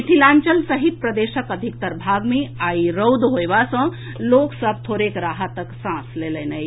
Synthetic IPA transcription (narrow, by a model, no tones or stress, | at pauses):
iʈ̪ʰilant͡ʃəlsəɦit̪̚pɾəd̪esəkəd̪ʱik̚t̪əɾbʱaɡmeaiɾəwd̪ɦojbasə̃ | loksəb̚ʱt̪ʰoɾekɾaɦət̪əksãslelənəj